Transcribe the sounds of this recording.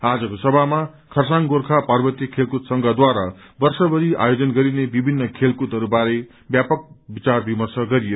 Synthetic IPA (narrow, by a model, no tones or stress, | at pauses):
ad͡zʌkosʌbʱama | kʰʌrsaŋɡorkʰaparbʌt̪jʌkʰelkut̪sʌŋɡʱʌd̪waɾa | bʌrsʌbʌɾia̰jod͡zʌnɡʌɾinebibʱinːʌkʰelkut̪ɦʌɾubaɾe | bjapʌk̚bit͡sarbimʌrsʌɡʌɾijo